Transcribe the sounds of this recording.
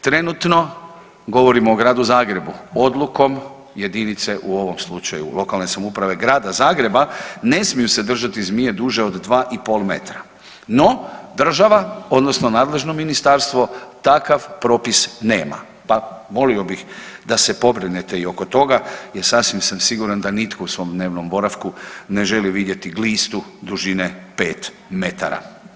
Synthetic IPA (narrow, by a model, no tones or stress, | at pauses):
t̪ɾe̞nut̪no̞ | ɡo̞ʋo̞ɾimoːɡɾaːd̪uzaːɡɾe̞buod̪luko̞m | jed̪init̪se̞ʔuo̞ʋo̞mslˠut͡ʃa̰jṵlˠo̞kalne̞samuːpɾaʋe̞ɡɾaːd̪azaːɡɾe̞bane̞smijuse̞d̪r̩ʒat̪izmije̞d̪uːʒe̞od̪d̪ʋaːʔipo̞lˠme̞̰t̪ɾa | no̞d̪r̩ʒaʋaod̪no̞snonaːd̪le̞ʒno̞minist̪aɾst̪ʋo̞t̪akaʋpɾo̞ːpisneːma̰ | paʋo̞lio̞bixd̪asepo̞bɾinet̪e̞io̞ko̞t̪o̞ɡajeɾsasʋimsamsiɡuɾand̪anit̪kʰousʋo̞md̪ne̞ːʋnombo̞ɾafkune̞ʒe̞liʋid̪je̞t̪iɡliːst̪ud̪uʒinepe̞ːt̪ | me̞t̪a̰ɾa̰